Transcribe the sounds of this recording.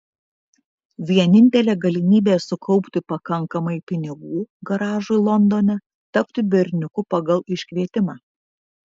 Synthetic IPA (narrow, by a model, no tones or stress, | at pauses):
ʋʲiɛnʲɪnʲt̪ʲɛlʲeːɡɐlʲɪmʲiːbʲeːsʊkʰɒʊpʲt̪ʲɪpɐkɐŋˑkɐmɐɪpʲɪnʲɪɡuːɡɐɾɑːʒʊɪlˠɔnd̪oːnʲɛ | t̪ɐpʲt̪ʲɪbʲɪɾʲnʲʊkʊpɐɡɐlˠɪʃʲkʲʋʲiɛt̪ʲɪmɑː